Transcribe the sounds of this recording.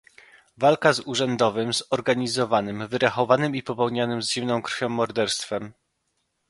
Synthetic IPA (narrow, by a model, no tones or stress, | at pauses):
valkazuʐɛnd̪ɔvɘmzɔɾɡaɲizɔvanɘmvɘɾaxɔvanɘmipɔpɛwɲanɘmzʑimnɔ̃w̃kɾfʲɔ̃w̃ːɔɾd̪ɛɾst̪fɛm